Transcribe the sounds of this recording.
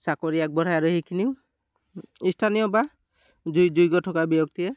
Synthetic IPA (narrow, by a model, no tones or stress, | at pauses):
sakɔɾijak̚bɔɾ̤ajaɾɔhekʰiniw | istʰanijɔba | d͡ʒujd͡ʒujɡɔʈʰɔkabijɔk̚t̪ijɛ